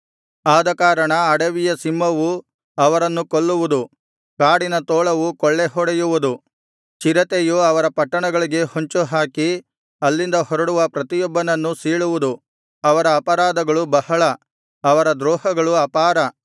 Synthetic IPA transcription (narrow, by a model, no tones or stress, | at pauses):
aːd̪ɐkaːɾɐɳɐːɽɐʋijɐsimːɐʋu | ɐʋɐɾɐnːukoɭːuʋud̪u | kaːɽinɐt̪oːɭɐʋukɔɭːeɦɔɽɐjuʋud̪u | t͡ʃiɾɐt̪ejuɐʋɐɾɐpɐʈːɐɳɐɡɐɭiɡe̞hoɲt͡ʃuɦaːki | ɐlːind̪ɐhɔɾɐɽuʋɐpɾɐt̪ijɔbːɐnɐnːusiːɭuʋud̪u | ɐʋɐɾɐːpɐɾaːd̪ɐɡɐɭubɐhɐɭɐ | ɐʋɐɾɐd̪ɾɔːhɐɡɐɭuɐpaːɾɐ